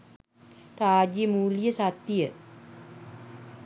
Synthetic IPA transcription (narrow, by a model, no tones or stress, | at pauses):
raːd͡ʒijəmuːlijəsat̪ːijə